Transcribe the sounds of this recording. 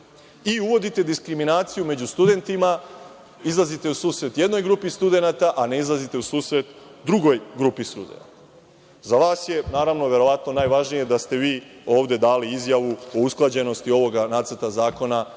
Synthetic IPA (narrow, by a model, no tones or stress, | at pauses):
iuʋo̞d̪it̪e̞d̪iskɾiminaːt̪sijume̞d͡ʑust̪ud̪e̞nt̪ima | izlˠazit̪e̞usuːsɾe̞t̪je̞d̪no̞jɡɾupist̪ud̪e̞nat̪aʔane̞izlˠazit̪e̞usuːsɾe̞t̪d̪ɾuɡo̞jɡɾupist̪ṵd̪e̞̰na̰t̪ḁ | zaʋaːsje̞naːɾaʋnoʋje̞ɾo̞ʋat̪no̞naːjʋaʒnije̞d̪ast̪e̞ʋiːo̞ːʋd̪e̞d̪aːliizjaʋuo̞usklˠad͡ʑe̞no̞st̪io̞ʋo̞ɡanaːt̪səɾt̪azaːko̞na